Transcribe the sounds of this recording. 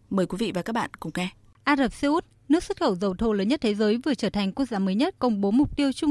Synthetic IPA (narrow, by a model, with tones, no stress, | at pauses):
məː˨˩jkwi˨˦vḭ˧˨vaː˨˩kaː˦˥k̚ɓa̰ː˧˨nkʊ̰˨˧˩ŋ͡mŋɛ˧ | ʔaː˧zəː˨˩p̚si˧ʔu˦˥t̚ | nɨ˦˥ək̚swə˦˥t̚xə˧˩wzə˨˩wt̪ʰo˧˩ləː˨˦ɲə˦˥t̚t̪ʰe˨˦zəː˨˦jvɨ˨˩ət͡ɕəː˧˩t̪ʰa˨˩jŋ̟ku˧˥ək̚zaː˨˦məː˨˦jɲə˦˥t̚kə˧wŋ͡mɓo˨˦mʊ˨˩k͡p̚t̪i˧əwt͡ɕʊ˧ŋ͡m